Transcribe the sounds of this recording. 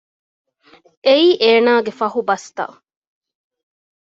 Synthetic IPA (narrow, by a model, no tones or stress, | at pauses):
eiːʔeːnaːɡefɐɦubɐst̪ɐ̰